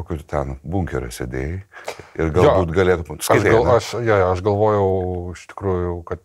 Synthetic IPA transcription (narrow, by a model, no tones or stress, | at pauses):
okʲʊt̪ʲɛnbuŋʲkʲɛɾʲʊ̰sʲed̪ʲḛːjɛɪrɡɐloːuːt̪ɡɐlʲeːt̪ʊskɐt̪ʲeːɐlˠɐʃjoːjoɐʃɡɐlˠʋoːjɛʊɪʃt̪ʲɪ̥kɾuːjʊkɐt̪